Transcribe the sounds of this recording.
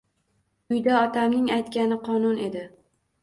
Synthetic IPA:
ʊjd̪aɒt̪ʰamnɪŋajt̪kʲanɪqʰɒnʊne̞d̪ɪ

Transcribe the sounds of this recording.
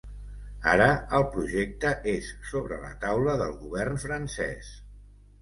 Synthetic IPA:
a̰ɾəəlˠpɾuʒek̚t̪əʔesːoβɾə̰lə̰t̪awləðəlˠɣuβɛrnfɾənsɛ̰s

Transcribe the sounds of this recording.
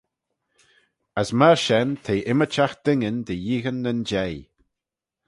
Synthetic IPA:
əsməɹʃɛnt̪ʰeːʔɪmət͡ʃaxd̪̥ɪŋənd̪əjiːɣənːənd͡ʒɛj

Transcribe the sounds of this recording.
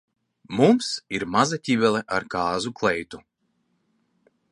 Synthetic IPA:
mumsiɾmazat̪ʲivʲɛlˠɛʔaɾkaːzuklˠɛjt̪u

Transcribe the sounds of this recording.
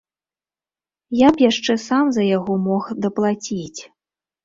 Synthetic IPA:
japjaʂt͡ʂɛsamzɐjaɣɔmɔxd̪ɐplˠat͡sʲit͡sʲ

